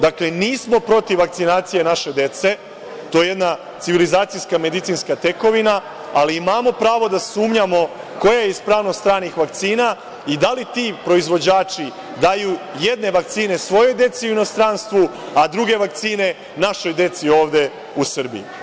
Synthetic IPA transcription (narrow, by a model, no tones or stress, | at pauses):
d̪akle̞niːsmo̞pɾo̞t̪iʋːak̚t̪sinaːt̪sije̞naʃe̞d̪e̞t̪se̞ | t̪o̞jeje̞d̪na | t̪iʋilizaːt̪sijskame̞d̪it̪sinskat̪e̞ko̞ʋina | aliimaːmo̞pɾaːʋo̞d̪asuːmɲamo̞ | ko̞jajeispɾaːʋno̞st̪ɾaːnixʋakt̪siːna | id̪alit̪iːpɾo̞izʋo̞d͡ʑaːt͡ʃi | d̪ajuje̞d̪ne̞ʋak̚t̪siːne̞sʋo̞jo̞jd̪e̞t̪siuino̞st̪ɾanst̪ʋu | ad̪ɾuɡe̞ʋak̚t̪siːne̞ | naʃo̞jd̪e̞t̪sio̞ːʋd̪e̞ | usr̩bḭjḭ